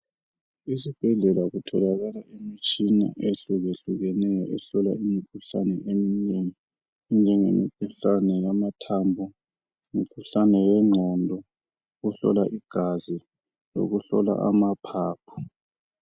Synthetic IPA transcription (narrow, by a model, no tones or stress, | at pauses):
is̬ib̥ʱɛɮɛlaɣutʰɔlaɣalaʔemit͡ʃʼina̰ʔeɬuɣeɬuɣɛnɛjɔ̰ʔɛɬɔla̰imikʰuɬanɛʔemiɲeŋi | nd͡ʒʱɛŋemikʰuɬanɛjamatʰambʱɔ | ŋikʰuɬanɛwɛŋ͡ǁʱɔndʱɔ | ɣuɬɔ̰laʔiɡ̥ʱazi | lo̰ɣuɬɔ̰la̰ʔa̰mapʰaːpʰu̥